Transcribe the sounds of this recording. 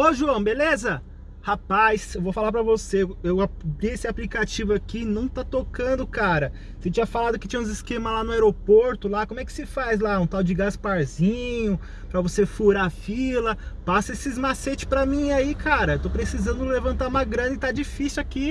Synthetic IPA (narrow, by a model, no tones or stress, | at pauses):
oʒuɐ̃w̃belezɐ | hapasewvofalaɾp̬ɾɐvoseewaliesɪaplikat͡ʃivʊakinɐ̃w̃t̪at̪okɐ̃nd̪ʊkaɾɐ | set͡ʃĩɲɐfalad̪ʊkɪ̥t͡ʃĩɲɐ̃ũzɪskẽmɐlanʊaeɾopoɾt̪ʊlakõmʊɛkɪ̥sɪfajzlaũt̪awd͡ʒɪɡaspaɾzĩɲʊ | pɾɐvosefuɾafilɐpasɐesɪːzmaset͡ʃɪ̥pɾɐmĩaikʰaɾɐewt̪opɾesizɐ̃nd̪ʊlevɐ̃nt̪aɾũmɐɡɾɐ̃nɐɪt̪ad͡ʒifisuwaki